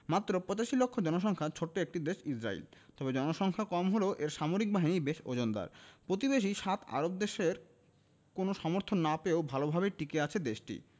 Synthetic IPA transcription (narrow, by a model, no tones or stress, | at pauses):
mat̪ːɾopɾɔt͡ɕaʃilokʰːod͡ʑɔnoʃ̬ɔŋkʰat͡ɕʰoʈːoek̚ʈid̪eʃisɾa̰ḭlt̪ɔbed͡ʑɔnoʃɔŋkʰakɔmɦoleʔeɾʃamoɾik̚baɦinibeʃo̰d͡ʑond̪a̰ɾpɾot̪ibeʃ̬iʃat̪ʰa̰ɾob̚d̪eʃeɾ | konoʃɔmoɾt̪ʰonːapeobʱalobʱabeʈikeat͡ɕʰed̪eʃʈḭ